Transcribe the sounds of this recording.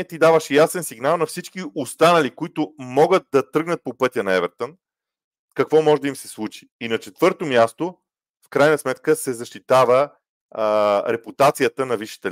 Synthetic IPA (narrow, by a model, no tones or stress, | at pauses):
ɛt̪id̪avəʃjasɛnsiɡnalˠnɐfsit͡ʃkiost̪anɐlikoit̪ʊmɔɡət̪̚d̪ɐt̪ɾɤɡnət̪̚popɤt̪ʲənɐɛvɛɾt̪on | kɐkvɔmɔʒɛd̪əimsɛslˠut͡ʃi̥ːnɐt͡ʃɛt̪vɤɾt̪omjast̪o | fkɾajnəsmɛt̪kəsɛzɐʃt̪it̪avə | ɾɛput̪at̪sijət̪ənɐviʃːi̥t̪ɛ